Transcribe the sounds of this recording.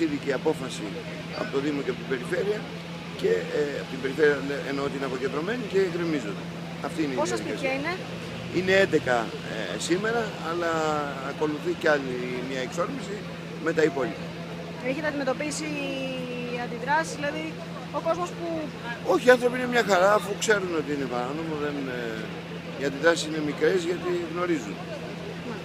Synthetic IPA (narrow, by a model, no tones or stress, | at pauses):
iðiceiɐpo̞fɐsi | ɐ̰po̞t̪oðimoceɐpot̪ibe̞ɾife̞ɾiɐ | ce̞apot̪imbe̞ɾife̞ɾiɐleenoot̪iinɐpo̞ced̪ɾo̞me̞nice̞ɣɾimizond̪e | ɐft̪iineipoɐsiiçɐine̞ | ine̞end̪e̞kɐ | ḛsime̞ɾɐːlɐː | ko̞luθiceaʎimɲɐekso̞ɾmisi | me̞t̪ɐipo̞ʎipɐ | eçet̪ɐd̪ime̞t̪opisi | ɐnd̪iðɾɐsizðilɐði | oko̞zmo̞spu | o̞çiɐnθɾo̞piine̞mɲɐxɐɾɐːfukse̞ɾuno̞t̪iine̞pɐɾano̞moðe̞n | iɐnd̪iðɾɐsi̥sine̞mikɾe̞zʝɐt̪iɣno̞ɾizun